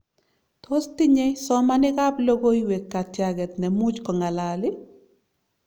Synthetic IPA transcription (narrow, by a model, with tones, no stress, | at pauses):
tʰosti˦ɲɛsɔmanɪka˦plo˦ɡoiwekːa˨tjaɡɛ˨tnɛ˨mu˦t͡ʃkɔ˨ŋa˨lalɪ˦